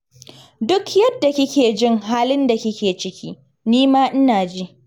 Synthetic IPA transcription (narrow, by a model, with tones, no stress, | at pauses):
dʊ˦kjɐ˦dːa˨kʲɪ˦kʲeː˨d͡ʒɪ˦ŋɦaː˦lɪ˦nda˨kʲɪ˦kʲeː˨t͡ʃɪ˦kʲʰiː˦ | niː˦maː˦ʔɪ˦naː˨d͡ʒi˦